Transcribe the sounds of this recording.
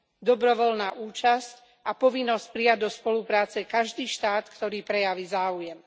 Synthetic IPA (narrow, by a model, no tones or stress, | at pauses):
d̪ɔbɾɔʋɔlnaːʔuːt͡ʃasc | ʔapɔʋinːɔsc̚pɾijaɟd̪ɔspɔlupɾaːt͡sɛkaʒd̪iːʃt̪aːt̪kt̪ɔɾiːpɾɛjaʋizaːujɛm